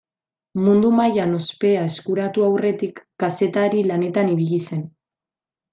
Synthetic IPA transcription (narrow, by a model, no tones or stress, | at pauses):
mund̪umajano̞spe̞ae̞skuɾat̪uawre̞t̪ikːase̞t̪aɾilane̞t̪aniβiʎise̞n